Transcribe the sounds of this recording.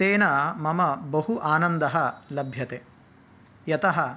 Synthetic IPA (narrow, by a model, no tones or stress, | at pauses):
seːnɐmɐmɐbɐɦuʔaːnɐnd̪ɐɦɐlɐbʱjɐt̪e | jɐt̪ɐɦɐ